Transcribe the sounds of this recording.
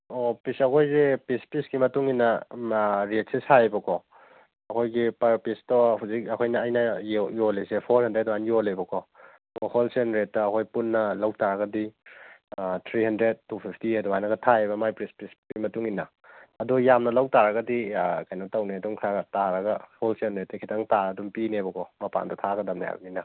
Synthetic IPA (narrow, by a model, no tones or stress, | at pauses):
opisɐkʰojzepɾispisɡimɐtuŋinɐ | ɾet̚seshaebɐkʰɔ | ɐkʰojɡipɐɾpistohuzikɐkʰojnɐːjnɐjolesepʰoɾhɐndɾet̚anjolebɐkʰɔ | ɔholsenɾet̚ːɐːkʰojpunːɐlɐwtaɾɐɡɐdi | t̪ʰɾihɐndɾed̚tːupʰipʰtiɐduajnɐɡɐtʰaeβɐmajpɾispɾispimɐtuŋinɐ | ɐdujamnɐlɐwtaɾɐɡɐdikajnotɐwneduŋkʰaɡɐtaɾɐɡɐholsenɾet̚ːɐkʰitʰaŋtaɐdumpinebɐkʰɔmɐpa̰ndɐtʰaɡɐdɐmnaja̰bɐninɐ